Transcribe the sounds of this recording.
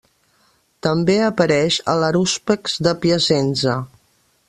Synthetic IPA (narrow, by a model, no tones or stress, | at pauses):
t̪əmbeəpəɾɛʃə̰ləɾuspəkzðəpiəsɛnzə